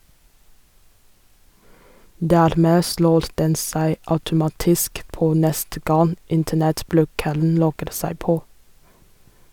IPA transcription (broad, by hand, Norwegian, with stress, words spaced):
ˈdæːɾˌmeː ˈsloːɾ ˈdɛn ˈsæɪ ɑʉtʊˈmɑːtɪsk ˈpoː ˈnɛstə ˈɡɑn ˈɪntənɛtˌblʉːkəln̩ ˈlɔɡəɾ ˈsæɪ ˈpoː